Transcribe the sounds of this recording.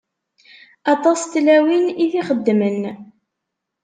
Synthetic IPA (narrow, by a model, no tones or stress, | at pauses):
ɑt̪ˤɑst̪læwiniθiχəd̪ːmən